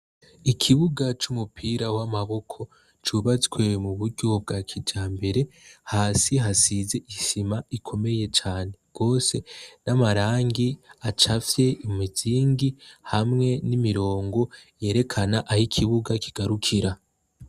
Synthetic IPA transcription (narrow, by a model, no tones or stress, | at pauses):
ikʰiβuɡat͡ʃumupʰiːɾawamaβo̞kʰo̞ | t͡ʃuβat͡sɡwe̞muβuɾɟob̚ɡakʰid͡ʒaːmbe̞ɾe̞haːsiɦasize̞ʔiʃimaikʰo̞me̞je̞t͡ʃaːne̞ɡ̥o̞ːse̞namaɾaːŋɡiat͡ʃafje̞imiziːŋɡihamŋe̞nimiɾo̞ːŋɡo̞je̞ːɾe̞kʰanaʔahikʰiβuɡakʰiɡ̥aɾukʰiɾa